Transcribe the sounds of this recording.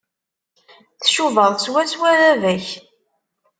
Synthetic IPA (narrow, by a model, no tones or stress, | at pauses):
θʃuvəðˤswæswæɾævæç